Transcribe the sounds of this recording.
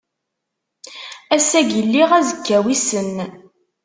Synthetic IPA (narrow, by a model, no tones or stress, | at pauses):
æsæɡəlːiʁæzəkːæwisən